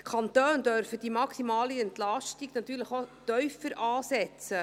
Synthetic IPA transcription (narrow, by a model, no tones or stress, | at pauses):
kʰɑnt̪øːnd̥œɾfədimɑksimɑːliɛntlɑʃtiɡnɑt̪yːɾləχot̪œʏfəɾʔɑːsɛt͡sə